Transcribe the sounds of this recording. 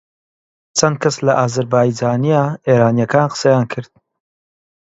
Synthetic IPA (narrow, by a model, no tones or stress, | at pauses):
t͡sʰɐnd̪̚kʰɐslɐʔaːzɐɾbaːjd͡ʒaːnijaeːɾaːnijɐkʰaːnqə̥sɐjaːnkʰɨɾd̪̥̚